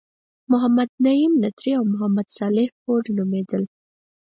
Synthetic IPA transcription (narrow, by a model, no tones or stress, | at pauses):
mʊɦamad̪̚naimnat̪ɾiawmʊɦamad̪sɑlɪhkoʈnumed̪əl